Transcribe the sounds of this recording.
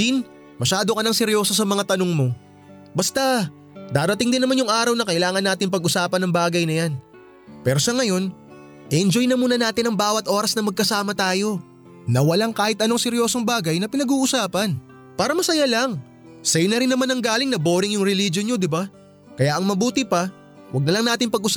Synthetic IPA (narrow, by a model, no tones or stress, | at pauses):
in | mɐʃaːd̪okɐnɐŋsɛɾjo̞ːso̞s̬ɐmɐŋat̪ɐnoŋmo̞ | bɐst̪ɐ | d̪aːɾɐt̪ɪŋd̪ɪnːɐmanjʊŋʔaːɾɐwnɐkɐʔɪlaːŋɐnːaːt̪ɪŋpɐɡʔʊsaːpɐnɐŋbaːɡɐjnɐjan | pɛːɾo̞sɐŋɐjo̞n | ʔɛʔɛnd͡ʒo̞jnɐmuːnɐnaːt̪ɪnɐŋbaːwɐt̪ʔo̞ɾɐsnɐmɐɡ̚kɐsaːmɐt̪aːjo̞ | nɐwɐlaŋkaːhɪt̪ʔɐnoŋsɛɾjo̞ːsoŋbaːɡɐjnɐpɪnɐɡuːʔʊsaːpɐn | paːɾɐmɐsɐjalɐŋ | sɐjnɐɾɪnːɐmanɐŋɡaːlɪŋnɐboːɾɪŋjʊŋɾɛlid͡ʒo̞nɲo̞d̪ɪba | kɐjaʔɐŋmɐbuːt̪ɪpɐ | wɐɡ̚nɐlɐŋnaːt̪ɪnpɐɡʔʊs